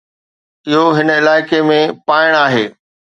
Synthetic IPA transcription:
ɪɦoɦɪnəɪlaːɪkemẽpaːɪɽ̃aːɦeː

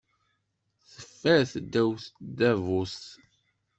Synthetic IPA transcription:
θəfːæɾθd̪ːæwθd̪ævus

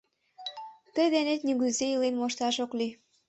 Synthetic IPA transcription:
t̪əjd̪enet̪nyɣyzejilenmoʃt̪ɑʃokli

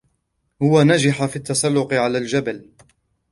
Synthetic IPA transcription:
hʊwanad͡ʒɪħafiːt̪ːɑsˤɑlːʊqɪʕalaːld͡ʒabal

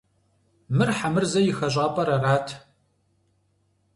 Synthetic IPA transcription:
mɨrħamɨrzɐjɪxɐɕʷʼaːpʼɐɾɐraːtʰ

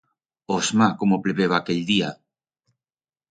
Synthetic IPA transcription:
ozmakomopleβeβaːkeʎd̪ia

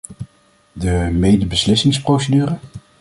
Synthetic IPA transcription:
dəmejdəbəslɪsɪŋsprowsədyːrə

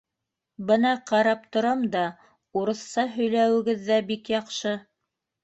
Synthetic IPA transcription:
bɤnɑqɑɾɑp̚t̪ŏɾɑmd̪ɑ | uɾɤ̆θsɑɦɵ̆jlæwɘ̆ɡɘðːæbikjɑqʃɤ

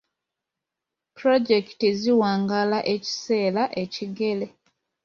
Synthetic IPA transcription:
pɾoɟeki̥tiziwaːŋɡalaʔe̞ci̥se̞ːlaʔe̞ciɡe̞le̞

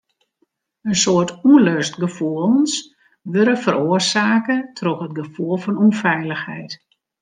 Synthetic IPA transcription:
ənsoərtuløstɡəfulˠns | ʋøɾəfəɾoərsaːkətʰrɔxətɡəfuəlˠfɔnɔnfɛjləxhɛ̰jt

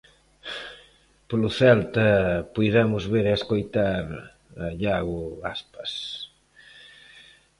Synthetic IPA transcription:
poluθɛlt̪ɐpujɾɛmʊzβeɾɛeskojt̪aɾ | aʎaɣuaspɐs

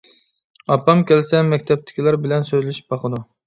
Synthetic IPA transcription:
ɑpːɑmkʲælɪsɛmɛkʲt̪ʰɛp̚t̪ʰɪ̥kʲilˠɑɾbɪlɛnsøj̪lɪʃi̥p̚bɑqʰəd̪u

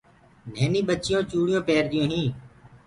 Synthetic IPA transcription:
neːnĩːɓət͡ʃɪjõːt͡ʃuːɽɪjõːpeːɾd̪ɪjõːɦĩː

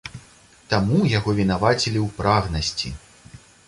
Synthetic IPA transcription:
t̪amujaɣɔvʲin̪avat͡sʲilʲiwpɾaɣnɐsʲt͡sʲḭ

